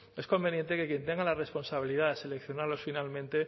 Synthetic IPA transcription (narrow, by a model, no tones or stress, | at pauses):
e̞sko̞mbe̞nje̞nt̪e̞ke̞kje̞nt̪e̞ŋɡalare̞spo̞nsaβ̞ilið̞aðese̞lekθjo̞naɾlo̞sfinalmẽ̞nt̪e̞